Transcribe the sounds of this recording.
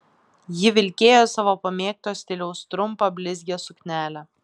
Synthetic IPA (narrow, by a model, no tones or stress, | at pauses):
jɪʋʲɪlʲkʲeːjoːsɑʋoːpɐmʲeːk̚t̪oːsʲt̪ʲɪlʲɛʊst̪ɾʊmpɑbʲlʲɪzʲɡʲeːsʊkʲnʲæːlʲæ